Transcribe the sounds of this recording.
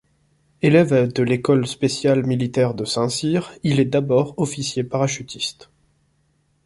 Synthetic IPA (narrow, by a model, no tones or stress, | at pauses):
elɛvad̪əlekɔlspesjalmilit̪ɛʁd̪əsɛ̃siʁilɛd̪abɔʁɔfisjepaʁaʃyt̪ist̪